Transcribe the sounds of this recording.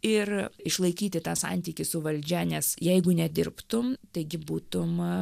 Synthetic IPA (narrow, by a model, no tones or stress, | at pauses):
ɪrɪʃlˠɐɪkʲiːt̪ʲɪt̪ɑːsɑ̰nʲt̪ʲiːkʲɪsʊʋɐlʲd͡ʒʲɛnʲɛsjɛɪɡʊnʲɛd̪ʲɪrpt̪ʊmt̪ɐɪɡʲɪbuːt̪ʊm